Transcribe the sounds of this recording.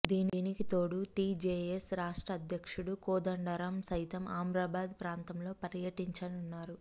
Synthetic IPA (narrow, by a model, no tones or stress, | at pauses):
d̪iːninikit̪o̞ːɽuʈiːd͡ʒeːesɾaːʂʈɾɐːd̪ʱjɐkʂuɽukɔːd̪ɐɳɖɐɾɐmsɐjt̪ɐmaːmɾaːbaːd̪pɾaːnt̪ɐmlo̞ːpɐɾjɐʈiɲt͡ʃɐnunːaːɾu